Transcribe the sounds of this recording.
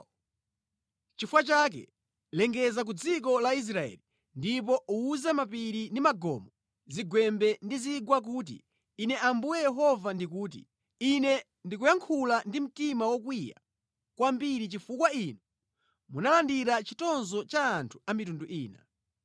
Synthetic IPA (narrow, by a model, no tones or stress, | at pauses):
t͡ʃifwat͡ʃak̬ɛ̰ | lɛŋɡɛzak̬ud͡zik̬ɔlais̬ɾaɛ̰li | ndipɔuːzamapiɾindimaɡɔ̰ːmɔ | ziɡwɛmbɛndiziɡwak̬uːt̬ḭː | nɛʔambujɛjɛɦɔvandikuːt̬ḭ | inɛ | ndik̬ujaŋkʰulandim̩timawɔkwija̰ | kwambiɾit͡ʃifukwainɔ | munalandiɾat͡ʃitɔnzɔt͡ʃaːntʰu̥amitunduʔiːna